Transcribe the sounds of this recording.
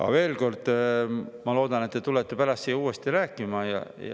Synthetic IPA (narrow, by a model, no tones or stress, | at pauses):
ɑ̰ve̞ːlko̞rd̪̥ | mɑlo̞ːd̪̥ɑnet̪ːet̪ulet̪ːepæɾɑst̪siuːest̪iɾæːkːˑimɑjɑ̰j̰